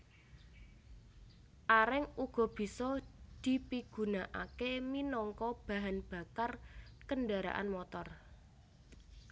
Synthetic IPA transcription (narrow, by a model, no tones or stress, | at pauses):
ʔaɾɪŋuɡ̥ɔ̤b̥i̤sɔd̪̥i̤piɡ̥ṳnaʔa̰keminɔŋkɔb̥a̤ɦanb̥a̤karkənɖaɾa̰ʔa̰nmɔt̪ɔr